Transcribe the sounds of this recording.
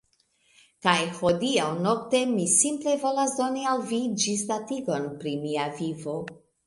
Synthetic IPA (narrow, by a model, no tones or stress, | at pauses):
kajho̞diawnokte̞misimple̞vo̞lasdo̞nialvid͡ʒistatiɡo̞npɾimiavivo̞